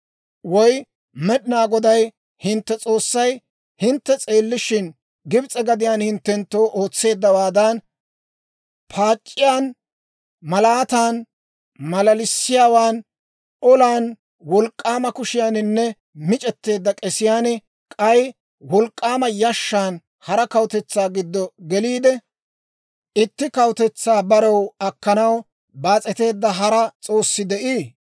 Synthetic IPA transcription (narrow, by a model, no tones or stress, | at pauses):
wɔj | mɛɗɪnaːɡɔd̪ɐj | hɪnt̪ːɛt͡sʼo̞ːsːɐj | hɪnt̪ːɛt͡sʼe̞ːlːɪʃɪn | ɡɪbt͡sʼɛɡɐd̪ɪjaːnhɪnt̪ːɛnt̪ːo̞ːʔo̞ːt͡sːe̞ːd̪ːɐwaːd̪an | pʰaːt͡ʃʼːɪjaːn | mɐlaːt̪aːn | mɐlɐlɪsːɪjaːwaːn | ɔlaːn | wɔlkʼːaːmɐkʊʃɪjaːnɪnːɛ | mɪt͡ʃʼɛt̪ːe̞ːd̪ːɐkʼɛsɪjaːnɛ | kʼɐj | wɔlkʼːaːmɐjɐʃːaːn | hɐɾɐkɐwʊt̪ɛt͡sːaːɡɪd̪ːɔɡɛliːd̪ɛ | ɪt̪ːɪkɐwt̪ɛt͡sːaːbɐɾɐwɐkːɐnɐw | baːt͡sʼɛt̪e̞ːd̪ːɐɦɐɾɐt͡sʼo̞ːsːɪd̪ɛʔiː